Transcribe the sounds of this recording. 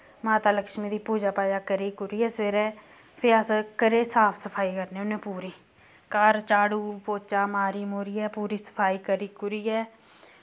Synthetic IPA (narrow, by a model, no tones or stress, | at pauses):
maːt̪aːləkʃmiːd̪iːpuːd͡ʒaːpaːjaːkəɾiːkʊɾiːɛːsʋeːɾɛː | pʰɪaːsəkəɾeːsaːpʰsəpʰaːiːkəɾneːʊnẽːpuːɾiː | kəɾt͡ʃaːɽuːpoːt͡ʃaːmaːɾiːmoːɾiːɛːpuːɾiːsə̥pʰaːiːkəɾiːkʊɾiːɛː